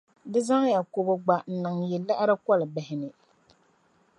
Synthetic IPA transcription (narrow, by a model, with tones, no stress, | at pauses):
dɨ˦za˦ŋja˨ko˨bɔ˨ɡ͡ba˨n̩˨nɨ˨ŋjɛ˨lːa˦ʔɾɨ˦kɔ˦lɨ˨bɛ˨hɪ˨nɨ˨